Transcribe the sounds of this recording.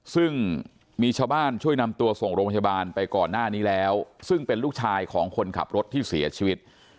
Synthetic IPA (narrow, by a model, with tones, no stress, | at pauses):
sɯ˥˩ŋ | miː˧t͡ɕʰaː˧wbaː˥˩nt͡ɕʰu˥˩əjna˧mt̪u˧ɐso˨˩ŋɾoː˧pʰa˧baː˧npa˧jkɔː˨˩nːaː˥˩niː˦˥lɛː˦˥wsɯ˥˩ŋpe˧nluː˥˩k̚t͡ɕʰaː˧jkʰɔː˩˦ŋkʰo˧nkʰa̰˨˩p̚ɾo˦˥t̪ʰːiː˥˩si˨˩˦ɐt͡ɕʰiː˧wi˦˥t̪̚